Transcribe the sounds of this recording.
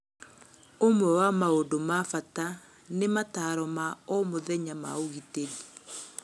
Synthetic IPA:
omwɛwamaodomafata | nemataɾɔmaɔmoðɛɲama̰oɣiteɣi

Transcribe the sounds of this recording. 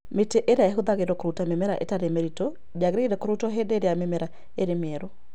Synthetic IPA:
meteʔeɾeaeɦoðaɣeɾɔkoɾutamemɛɾaʔḛtaɾemeɾitɔ | d͡ʒaɣɾeɣeɾɛkoɾutɔɦedeːɾeamemɛɾa | eɾemeɛɾo

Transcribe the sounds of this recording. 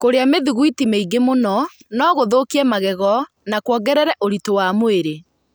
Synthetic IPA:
koɾeameðuɣuitimeiɡemonɔ | nɔɣoðokiɛmaɣɛɣɔ | nakwɔɡɛɾɛɾɛʔoɾitowamoeɾe

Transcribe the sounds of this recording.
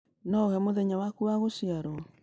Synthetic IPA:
nɔoɣɛmoðɛɲawakuwaɣosiaɾɔ

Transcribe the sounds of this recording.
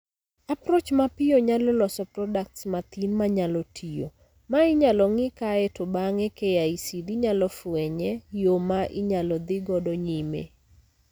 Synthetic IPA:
apɾɔt͡ʃmapɪjoɲalɔlɔsɔprɔdak̚tsmat̪inmaɲalɔtʰijo̰ | maɪɲalɔŋɪkaɛtʊbaŋɛkejaisidiɲalɔfʊɛɲɛjomaʔɪɲalɔd̪ɪɡɔdɔɲimḛ

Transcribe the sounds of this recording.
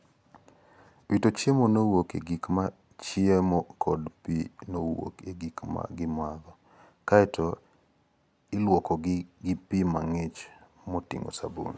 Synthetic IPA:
witot͡ʃjemonowokḛɡikma | t͡ʃiemɔkʰɔdpinowo̰keɡikma̰ɡɪmaðɔ | kaɛtʰɔ | ɪlwɔkɔɡɡɪpimaŋet͡ʃ | motḭŋo̰sabṵn

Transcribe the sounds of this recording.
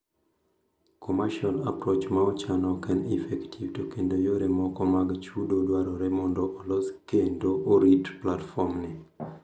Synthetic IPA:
kʰɔmaʃala̰pɾot͡ʃmaɔt͡ʃanɔkɛnifɛktʰivtokendojoɾemɔkɔmaɡt͡ʃudodwaɾɔɾɛmɔndɔʔːlɔskendoʔoɾitplatfɔmnɪ

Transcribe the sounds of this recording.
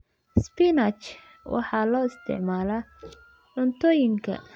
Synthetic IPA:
spɪnɐt͡ʃ | wʔɑ̰ħɑːlɔːɪst̪ʰɪ̰ʕmaːlaː | ʕʊnt̪ʰɔːjɪŋkʰɐ̰

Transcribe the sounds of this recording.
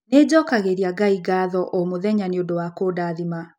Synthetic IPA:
ned͡ʑɔkaɣeɾiaɡaiɡaːðɔʔomoðɛɲaneondowakoːdaðima

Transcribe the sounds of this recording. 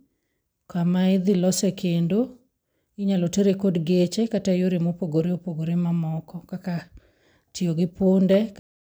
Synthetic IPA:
kamaɪd̪ɪlɔsekʰendo | ɪɲaloteɾekodɡet͡ʃekatajoɾemopoɡoɾeopoɡoɾemamɔkɔkaka | tioɡɪpondɛ

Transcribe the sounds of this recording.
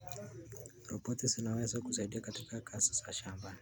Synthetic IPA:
ɾɔpɔtizinawɛzakusaiɗiakatikakʰasi̥saʃamba

